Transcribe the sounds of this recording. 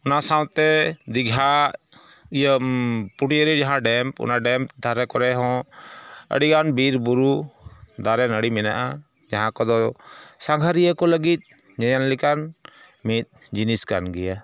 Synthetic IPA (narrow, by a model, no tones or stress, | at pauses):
unasaw̃t̪ɛd̪iɡʱa | ijəpuʈiəɾid͡ʒaɦãɖɛmpṵnaɖɛmpd̪ʱaɾɛkɔɾɛɦɔ̃ | ə̰ɽiɡanbiɾbuɾud̪aɾɛnəɽimɛna̰ʔa | d͡ʒaɦãkɔd̪ɔsaŋɡʱaɾijəkɔləɡit̪̚ˀ | ɲajanlikan | mit̪̚d͡ʒiniska̰nɡɛja